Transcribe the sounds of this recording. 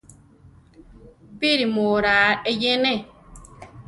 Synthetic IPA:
biɾimoːɾaːejenɛ

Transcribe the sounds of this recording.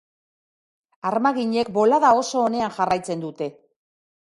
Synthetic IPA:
aɾmaɣiɲe̞kbo̞laðao̞so̞ːne̞aŋʝarajt͡se̞nd̪ut̪e̞

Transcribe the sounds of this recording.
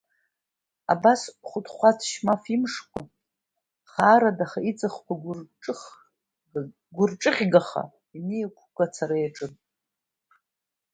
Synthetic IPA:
a̰basχʷʊtʰχʷat͡sʰʃmafimʂkʷʰa̰ | χaːɾadaχait͡sʼaχkʷʰaɡrʼ | ɡʷʊrʈ͡ʂʼɨχʲɡaχa̰ | iniakʷʰɡ̥ʷʼat͡sʰaɾajaʈ͡ʂʼɨn

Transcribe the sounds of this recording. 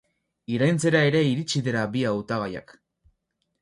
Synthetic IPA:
iɾajnt͡se̞ɾae̞ɾe̞iɾit͡ʃiðeɾabiawt̪aɣaja̰k

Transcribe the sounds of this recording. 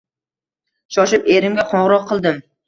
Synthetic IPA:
ʃɒʃɪpeɾɪmɡʲaqʰɒɴʁɾɒqʰːɨlˠd̪ɪm

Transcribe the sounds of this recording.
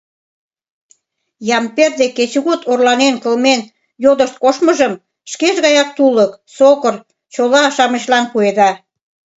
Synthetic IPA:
jɑmperd̪eket͡ɕuɣut̪orlɑnenkəlmen | jod̪əʃt̪̚koʃməʒəm | ʃkeʒɣɑjɑk̚t̪uləksokər | t͡ɕolɑʃɑmə̆ɕlɑnpued̪ɑ

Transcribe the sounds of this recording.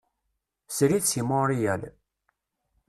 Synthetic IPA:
sɾiθsimoɾijæl

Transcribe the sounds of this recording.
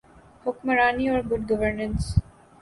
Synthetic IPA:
hʊkməɾaːniɔːɾɡʊɖɡəʋəɾnə̃ns

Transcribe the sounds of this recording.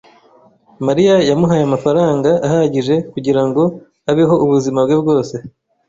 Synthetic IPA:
maɾijajamuɦajamafaɾaːŋɡaahaɟiʒe̞kuɟiɾaŋɡo̞ | aβiɦo̞uβuzimabɡebɡo̞ːse̞

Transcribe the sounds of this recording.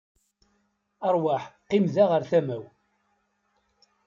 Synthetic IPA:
əɾˤwaħqimðaʁəɾθæmæw

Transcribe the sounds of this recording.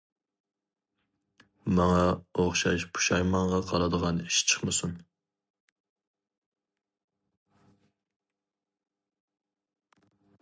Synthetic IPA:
mɑŋɑoχʃɑʃpʰu̥ʃɑjmɑɴʁɑqʰɑlˠɑd̪əʁɑniʃt͡ʃʰə̥χmɨsun

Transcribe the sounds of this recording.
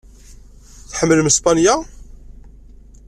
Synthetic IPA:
θħəmːəlməspanja

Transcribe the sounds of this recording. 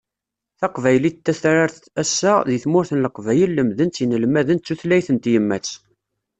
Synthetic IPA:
θɑqvæjlit̪ːæθɾaɾθ | æsːæðiθmʊɾθənləqvæjəlːəmðənt͡s̪jənəlmæðənt͡sːuθlæjθənt̪jəmːæt͡s

